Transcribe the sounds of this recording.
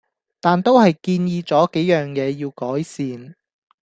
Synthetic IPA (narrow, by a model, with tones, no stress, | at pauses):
t̪aː˨nt̪o˥whɐ˨jkiː˧njiː˧t͡sɔː˨˥ke˨˥jjœː˨ŋjɛː˨˧jiː˧wkɔː˨˥jsiː˨n